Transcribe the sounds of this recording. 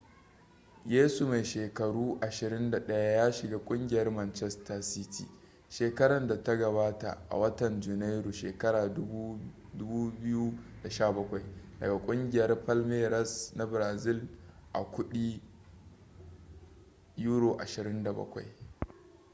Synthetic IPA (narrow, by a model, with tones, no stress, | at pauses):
jeː˦su˨ma˨jʃeː˨kɐ˨ɽuː˦ʔa˨ʃɪ˨ɾɪ˦nda˨ɗɐ˦ja˦jaː˦ʃɪ˨ɡaː˦kʷʼʊ˦ŋɡʲɪ˨jɐ˦rmɐ˨nt͡ʃɛ˦sta˨si˦tʰḭː˨ | ʃeː˨kɐ˦ɽɐ˨nda˨ta˦ɡɐ˨βaː˦ta̰˨ʔa̰˨wɐ˦tɐ˨nd͡ʒu˨na˦jɾu˨ʃeː˨kɐ˦ɽaː˨˦ | dʊ˦buː˦bɪ˦ju˦da˨ʃaː˦˨bɐ˦kʷa˨jdɐ̰˨ɡa˨kʷʼʊ˦ŋɡʲɪ˨jɐ˦rɸɐ˦lmeː˦ɾɐ˦sna˦bɾaː˨zɪ˦lʔa̰˨kʷʊ˦ɗiː˦ | ju˦ɽoː˨ʔa̰˨ʃɪ˨ɾɪ˦nda˨bɐ̰˦kʷa̰˨j